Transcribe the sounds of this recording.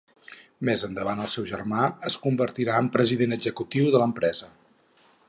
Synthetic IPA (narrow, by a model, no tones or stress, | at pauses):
mezənd̪əβanəlˠsɛwʒə̰rmaəskumbərt̪iɾaəmpɾəziðenəɡzəkut̪iwðələmpɾɛzə